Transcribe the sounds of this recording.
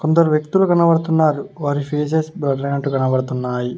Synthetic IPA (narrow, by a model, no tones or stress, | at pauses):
kond̪ɐɾuʋjekt̪ulukɐnɐbɐɽɐt̪unːaːɾuʋaːɾipʰeːs̬esbɾɐɖɾɐjnɐʈːukɐnɐbɐɽɐt̪unːaːji